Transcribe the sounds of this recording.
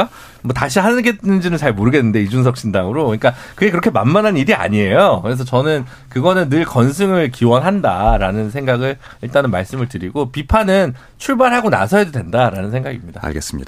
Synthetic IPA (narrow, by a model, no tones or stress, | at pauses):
a | mwʌtaɕʰiɦanɯɡet̚nɯnd͡ʑinɯnt͡ɕaɭmoɾɯɡe̞nːɯnde̞id͡ʑunsʰʌk̚ɕ͈ʰindaŋɯɾoɯɲik͈akɯɡekɯɾʌkʰemamːanɦaniɾia̰ɲie̞jokɯɾe̞s̬ʰʌt͡ɕʌnɯn | kɯɡʌnɯnːɯɭkʌns̬ʰɯŋɯɭkiwʌnɦandaɾanɯnsʰe̞ŋɡaɡɯɭ | iɭt͈anɯmaɭs͈ɯmɯɭtɯɾiɡopipʰanɯn | t͡ɕʰuɭbaɭɦaɡona̰sʰʌjadodwe̞ndaɾanɯnsʰeŋɡaɡimɲida̰a̰ɭɡes͈ɯmɲḭda